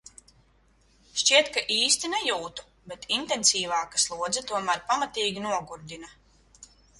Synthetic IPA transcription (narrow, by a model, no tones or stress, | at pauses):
ʃt͡ʃiɛt̪kaʔiːst̪inɛjuːt̪u̥ | bɛt̪int̪ɛnsiːvɑːkaslˠuɔd̪zɐt̪uɔmæɾpamat̪iːɡʲinuɔɡuɾd̪ina